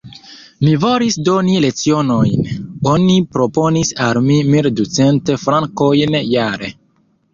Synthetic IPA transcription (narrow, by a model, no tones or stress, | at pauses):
mivo̞ɾisdo̞nile̞t͡sio̞no̞jno̞nipɾo̞po̞nisalmimildut͡se̞nte̞fɾaŋkojnjaɾe̞̰